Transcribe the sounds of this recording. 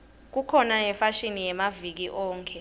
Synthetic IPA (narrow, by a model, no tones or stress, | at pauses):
k̬ukʰɔnajɛfaʃinijɛmavik̬iʔɔːŋkʰʼɛ